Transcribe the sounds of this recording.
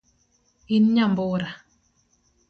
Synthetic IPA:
inɲamboːɾa

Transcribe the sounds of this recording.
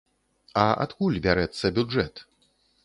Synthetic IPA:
ɐa̰t̪kulʲbʲaɾɛt̪sːɐbʲuʐɛt̪

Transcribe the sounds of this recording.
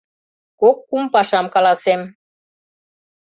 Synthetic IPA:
kokːumpɑʃɑmkɑlɑsem

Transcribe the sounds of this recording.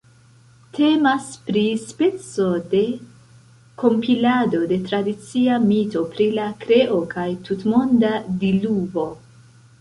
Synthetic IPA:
tʰe̞maspɾispe̞t͡so̞de̞ | ko̞mpilado̞de̞tɾadit͡siamito̞pɾilakɾe̞ʔokʰajtutmo̞ndadilubo̞

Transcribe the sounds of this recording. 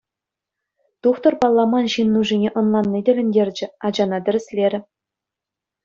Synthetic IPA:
t̪uχt̪ɤ̆rpɑlˠːɑmɑnɕinːuʐinʲeʔɤ̆nlˠɑnːidʲɘ̆lʲɘ̆nʲdʲerʲd͡ʑɘ̆ɑd͡ʑɑnɑd̪ʲɘ̆rʲɘ̆sʲlʲeɾʲɘ̆

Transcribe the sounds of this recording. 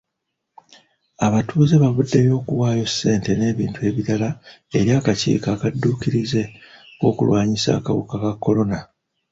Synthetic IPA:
aβatʰuːze̞βavudːe̞jo̞ːkuwaːjo̞sːe̞ːnte̞ne̞ːβiːntue̞ːβiɾalae̞ɾjaːkacḭːkaːkadːuːkiɾize̞ko̞ːkulwaːɲisa̰ːkaβukakakːo̞lo̞na

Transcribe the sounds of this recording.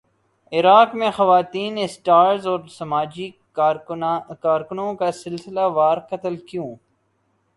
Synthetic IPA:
ɪɾaːkmẽxɐʋaːt̪iːnɪsʈaːɾzɔːɾsɐmaːd͡ʒi | kaːɾkʊnõkasɪlsɪlaʋaːɾkɐt̪əlkijõː

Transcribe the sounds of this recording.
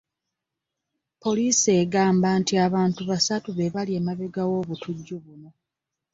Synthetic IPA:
po̞liːseɡaːmbantiaβaːntuβasatuβe̞βalie̞maβeɡawo̞ːβutuɟːuβuno̞

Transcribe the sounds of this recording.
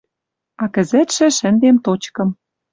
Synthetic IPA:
ɑkɘ̆zɘ̆t̪ʃɘ̆ʃɘ̆nd̪emt̪ot͡ɕkɤ̆m

